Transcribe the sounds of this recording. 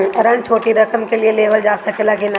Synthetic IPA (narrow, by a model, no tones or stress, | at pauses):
ɐɾəɳt͡ʃʰoːʈiɾɐkəmkelieleːʋəld͡ʒaːsɐkʰɪlakin